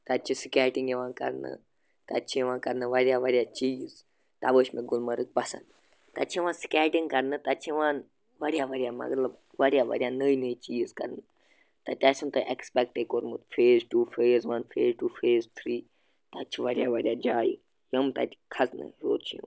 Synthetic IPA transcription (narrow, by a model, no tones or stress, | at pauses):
t̪ɐt͡ʃʰisikʲaːʈĩŋɡjeʋãːnkɐ̰ɾnɨ̰ | t̪ɐt͡ʃʰiʋãːnkɐɾnɨʋɐɾʲjaːʋɐɾʲjaːt͡ʃiːz | t̪aʋəːʃmẽɡʊlməɾɨk̚pɐsɐ̰nd̪ | t̪ɐt͡ʃʰĩʋãːnsi̥kʲaːʈiŋɡ̚kɐɾnɨt̪ɐt͡ʃʰiʋãːn | ʋɐɾijaːʋɐɾjaːmɐ̰ɡləb | ʋɐɾjaːʋɐ̰ɾʲijaːnəːinəit͡ʃiːzkɐ̰ɾnɨ | t̪ɐt̪ʲasunt̪ɨʔekspɛk̚ʈekoɾmut̪fʰeːzʈuːfʰeːzʋaːnpʰeːzʈuːfʰeːzt̪ʰɾiː | t̪ɐt͡ʃʰiʋɐɾjaːʋɐɾʲjaːd͡ʒaːjḭ | jəmt̪ɐ̰t̪ʰi̥kʰɐsnɨ̰ɾo̰ːt͡ʃʰijṵ̃